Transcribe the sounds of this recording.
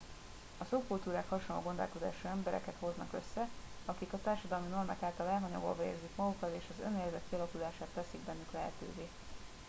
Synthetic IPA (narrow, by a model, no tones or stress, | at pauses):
ɒsokult̪uːɾaːkhɒʃonlːo̰ːɡo̞nd̪o̰lko̞d̪a̰ːʃuɛmbɛɾɛ̰kɛt̪ho̞znɒkøsːɛ | ɒkikɒt̪aːrʃɒd̪ɒlmino̞rma̰ːkaːlt̪ɒlɛlɦɒɲɒ̰ɡo̰lvɒḛːrzikmɒɡukɒt̪eːʃɒzø̰neːrzɛt̪̚kiɒlɒkud̪aːʃaːt̪ːɛsiɡbɛnːyklɛɦɛt̪ø̰ːveː